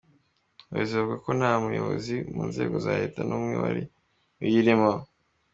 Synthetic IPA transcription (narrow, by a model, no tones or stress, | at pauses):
wizekako̞naːmujo̞βo̰zimuːnze̞ːɡo̞zaːheːtanʔumŋewa̰ɾi | ujiɾimo